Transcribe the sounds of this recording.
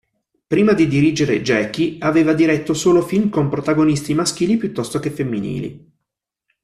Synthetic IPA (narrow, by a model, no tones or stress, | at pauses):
pɾiːmad̪id̪iɾiːd͡ʒeɾed͡ʒɛːkiaveːvad̪iɾɛt̪ːosoːlofilmkompɾot̪aɡonist̪imask̟iːlipjut̪ːɔst̪okefemːinḭːlḭ